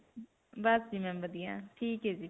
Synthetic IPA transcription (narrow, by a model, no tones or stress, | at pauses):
bəsd͡ʒiːmɛ̃ːbəd̪ɪjãːʈʰiːkɦeːd͡ʒiː